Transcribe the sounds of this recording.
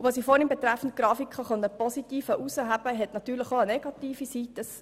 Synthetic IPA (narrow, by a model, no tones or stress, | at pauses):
ʊʋɑsifɔːɾhimbɛt̪ɾæfn̩t̚ɡ̥ɾɑːfikχɑχœnəpɔsitiːfəʔusəɦæb̥əɦɛtnɑt̪yːɾləχoːənɛɡ̥ɑt̪iːfisiːt̪əs